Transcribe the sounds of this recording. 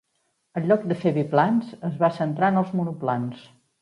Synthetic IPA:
əʎːɔk̚d̪əfeβiplansəzβasənt̪ɾanəlˠzmunuplans

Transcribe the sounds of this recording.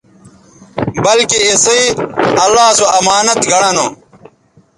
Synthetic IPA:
bɐlkiːsɐiɐlːaːsoɐmaːnɐt̪ɡɐɽano

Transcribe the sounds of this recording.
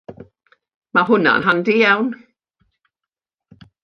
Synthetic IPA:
maɦʊna̰nɦandijawn

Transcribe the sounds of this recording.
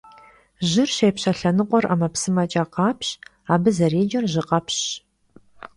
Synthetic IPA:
ʒɪrɕeːpɕɐɬɐnɨqʷʼɔrʔa̰mɐpsɨmɐt͡ʃʼaːqɑːpʰɕ | aːbɨzɐreːd͡ʒɐrʒɨqʼɐpʰɕ

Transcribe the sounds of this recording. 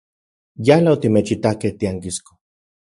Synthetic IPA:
jalaot̪imet͡ʃit̪akeht̪iaŋkisko̥

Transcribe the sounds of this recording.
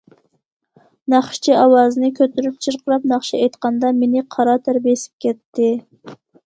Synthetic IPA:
nɑχʃt͡ʃʰiɑwɑːzɨnɨkʲʰøt̪yɾyp̚t͡ʃʰɨɾqʰəɾɑpnɑχʃiɛjt̪qɑnd̪ɑmenɪqʰɑɾɑt̪ʰæɾbesɪ̥p̚kʲʰɛt̪ːɪ

